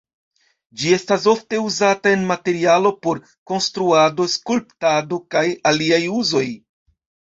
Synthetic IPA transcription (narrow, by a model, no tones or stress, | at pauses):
d͡ʒie̞stas̬o̞fte̞uzatae̞nmate̞ɾialo̞po̞ɾ | ko̞nstɾuado̞skulptado̞kajaliajuzo̞j